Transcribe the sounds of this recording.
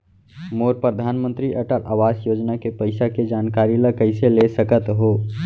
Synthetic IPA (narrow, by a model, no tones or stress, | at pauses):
moːɾpɾəd̪ʱaːnmə̃nt̪ɾiʔəʈəɾʔa̰ːʋaːsjoːd͡ʒnakepəɪsaked͡ʒaːnkaːɾiləkəɪselesəkət̪ɦoː